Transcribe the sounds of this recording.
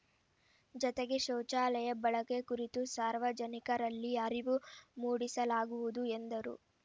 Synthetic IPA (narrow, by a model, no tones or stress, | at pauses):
d͡ʒɔt̪eɡeʃɐːt͡ʃaːlɛjɐbɐɭɐkekuɾit̪usaːɾʋɐd͡ʒɐnikɐɾɐlːiɐɾiʋumuːɽisɐlaːɡuʋud̪uend̪ɐɾṵ